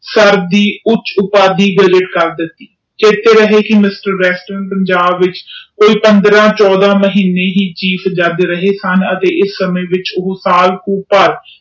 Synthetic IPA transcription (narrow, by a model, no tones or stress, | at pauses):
səɾd̪iːʊt͡ʃʊpaːd̪iːɡəd͡ʒɪʈkəɾd̪ɪt̪ːiː | t͡ʃeːt̪eːɾəɦeːkɪmɪsʈəɾːɛːsʈɾənpəɲd͡ʒaːbʋɪt͡ʃkoːiːpənd̪ɾãːt͡ʃɔːd̪ãːməɦiːneːɦiːt͡ʃiːpʰd͡ʒəd̪ɾəɦeːsənət̪eːʔɪsːəmẽːʋɪt͡ʃʊɦsaːlkũːpəɾ